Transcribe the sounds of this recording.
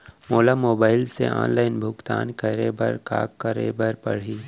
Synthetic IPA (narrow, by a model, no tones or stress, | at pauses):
moːlamoːbaːɪlsḛʔã̰ːnlaːɪnbʱʊkt̪a̰ːnkəɾebɐ̰ɾka̰ːkːəɾḛbɐɾpɐɽ̤iː